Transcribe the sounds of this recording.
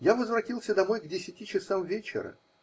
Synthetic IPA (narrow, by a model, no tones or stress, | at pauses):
javəzvɾɐtʲilˠsʲəd̪ɐmo̞jɡdʲɪsʲɪtʲit͡ɕɪsamvʲet͡ɕɪ̰ɾə̰